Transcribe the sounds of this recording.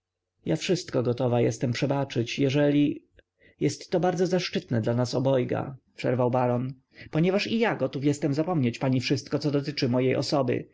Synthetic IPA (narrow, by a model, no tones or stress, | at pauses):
jafʂɘst̪kɔɡɔt̪ɔvajɛst̪ɛmpʂɛbat͡ʂɘt͡ɕjɛʐɛlʲi | jɛst̪ːɔbaɾd̪zɔzaʂt͡ʂɘt̪nɛd̪lanasɔbɔjɡa̰pʂɛ̰ɾvawbaɾɔn | pɔɲɛvaʂijaɡɔt̪ufjɛst̪ɛmzapɔmɲet͡ɕpaɲifʂɘst̪̚kɔt̪sɔd̪ɔt̪ɘt͡ʂɘmɔjejʔɔ̰sɔbɘ̰